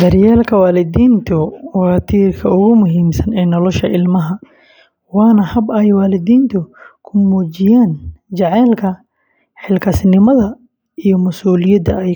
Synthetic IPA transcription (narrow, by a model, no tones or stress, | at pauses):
d̪ɐɾjaːlkʰɐwaːlɪd̪iːnt̪ʰʊwɑt̪ʰiːrkʰɐʊɣʊmʊɦiːmsɐnɛːnɔlɔʃɐʔɪlmɐɦɐ | wɑːnɐhɐbɐjwaːlɪðiːnt̪ʰʊkʰʊmuːt͡ʃɪjaːnt͡ʃɐʕɛːlkʰɐ | ħɪlkʰɐsnɪmɐðɐ | ijɔmʊsuːlɪjɐd̪ɐɛj